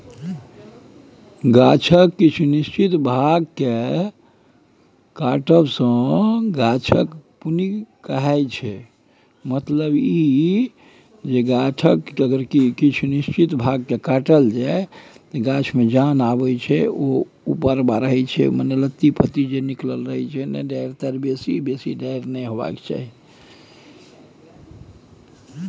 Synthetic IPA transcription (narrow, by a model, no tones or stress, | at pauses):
ɡat͡ʃʰəkːit͡ʃʰunist͡ʃit̪bʱaɡke | kaʈəbsə̃ɡat͡ʃʰəkpunikəɦajt͡ʃʰɛ | mət̪ləbi | d͡ʒeɡat͡ʃʰəkəɡəɾkikit͡ʃʰunist͡ʃit̪bʱaɡ̚kekaʈəld͡ʒat̪ɔɡat͡ʃʰmed͡ʒanabɛt͡ʃʰɛo | upəɾbaɾəɦɛt͡ʃʰɛ̰mənelət̪ːipʰət̪id͡ʒenikləlɾəɦɛt͡ʃʰɛnɛ̰ɖaɾt̪əɾbesibesiɖaɪɾnɛjɦoba̰kt͡ʃa̰ɦi